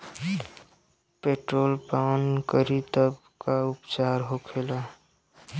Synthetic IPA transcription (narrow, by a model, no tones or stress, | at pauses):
peʈɾoːlpawənkəɾit̪əb | kaʊpt͡ʃaɾɦokʰeːla